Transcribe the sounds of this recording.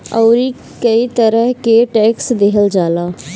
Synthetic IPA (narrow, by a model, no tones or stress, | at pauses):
əʊɾiː | kəiːt̪əɾəɦkeːʈɛːksd̪eɦəld͡ʒaːlaː